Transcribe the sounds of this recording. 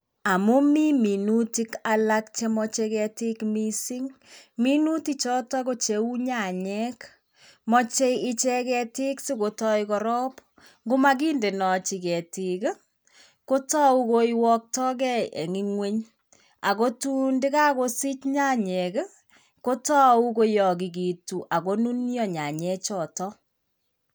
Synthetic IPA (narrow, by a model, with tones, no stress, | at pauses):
a˨mu˦mi˦mi˨nu˦ti˦kala˦kt͡ʃe˦mɔ˦t͡ʃe˦kɛ˧ti˦kmi˦si˦ŋmi˦nu˦ti˦t͡ʃɔ˦tɔ˦ko˦t͡ʃe˨u˦ɲa˨ɲɛk | mɔ˦t͡ʃe˦ɪ˦t͡ʃɛ˦kɛ˧ti˦ksi˦ko˨tɔ˦jkɔɾɔ˦p | ŋɡo˦ma˦k̬i˦nde˨nɔ˨t͡ʃi˨kɛ˨ti˨k | ko˦tɔ˦u˦ko˦iwɔ˦k̚tɔ˦k̬ɛ˦ḛ˨ŋi˦ŋwe˦ɲ | a˨ko˦tu˦ndɪ˦ka˦ko˦si˦t͡ʃɲa˦ɲɛ˨k | ko˦tɔ˦u˦ko˦jɔ˨ki˨k̬i˨tu˨ʔa˨ko˦nu˦njɔ˨ɲa˨ɲɛ˦t͡ʃɔ˨tɔ˦